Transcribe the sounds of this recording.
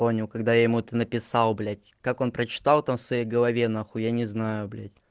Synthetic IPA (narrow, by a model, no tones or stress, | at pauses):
pomnʲɪlˠkɐɡd̪ajajɪmuɛt̪ənəpʲɪsɑlˠblʲætʲkako̞npɾət͡ɕɪ̥t̪ɑlˠt̪amfsvɐjejɡəlˠɐvʲenaxujanʲɪznajʊblʲæ̰tʲ